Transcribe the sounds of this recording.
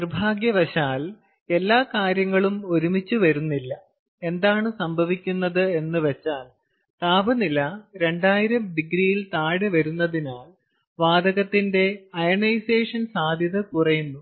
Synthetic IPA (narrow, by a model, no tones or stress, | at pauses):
nirbʱaːɡjɐʋɐɕaːl | e̞lːaːkaːɾjɐŋːɐɭumo̞ɾumit͡ɕːuʋɐɾunːilːɐ | e̞nd̪aːɳɨsɐmbʱɐʋikʲːunːɐðɨe̞nːɨʋet͡ɕːaːl | t̪aːbɐnilɐɾe̞ɳɖaːjiɾɐmɖiɡɾijilt̪aːɽɨʋɐɾunːɐðinaːl | ʋaːd̪ɐɣɐt̪ːinde̞ɐjɐɳɐjseːʂɐnsaːd̪ʱjɐðɐkurɐjunːu